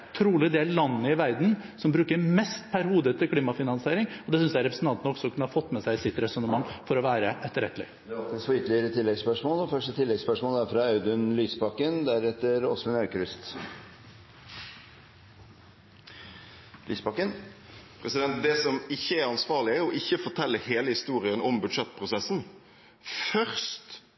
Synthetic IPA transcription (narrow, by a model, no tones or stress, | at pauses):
t̪ʰɾuːlɪd̪eːllɑnːəɪʋæɾd̪n̩sɔmbɾʉːkəɾmɛst̪pʰæɾhuːd̪ət̪ʰɪlkʰliːmɑfɪnɑnsɪeːɾɪŋɔd̪ɛsʏnsjæɪɾɛpɾəsn̩t̪ɑnt̪nɔksɔɔkʰʉnːəhɑfɔt̪ːmɛsæɪsɪt̪ːɾɛsɔnəmɑŋːfɔɾɔʋæːɾəʔɛt̪ːəɾɛt̪ːlɪ̰ | d̪ɑlt̪nɪsfɔʏt̪əlɪəɾət̪ʰɪlːɛɡspœʂmoːlɔfœʂʈət̪ʰɪlːɛɡspœʂmoːlæfɾɑɑʉd̪ʉnlyːspɑkːənd̪æɾɛt̪ːəɾɔsmɪnœɾkɾʏst̪ | lʔy̰ːspɑkːən | pʰɾɛsɪd̪ɛnt̪̚d̪ɛsɔmɪçːəæɾɑnsʋɑːʁɭɪəɾɔʔɪçːəfɔʈ̪ʰɛlːəheːləhɪst̪uːɾɪənɔmbʉd̪ʂɛt̪ːpʰɾʊsɛsːn | fœʁst̪